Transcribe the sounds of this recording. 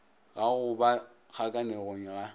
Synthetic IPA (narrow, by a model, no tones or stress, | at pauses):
ɣaɣʊba | k͡xʰakʼaneɣoŋ̩ɣa